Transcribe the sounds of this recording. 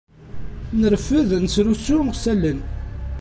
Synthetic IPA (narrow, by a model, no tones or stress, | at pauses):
nəɾəfːəðnəsɾusːuɾʁsælːən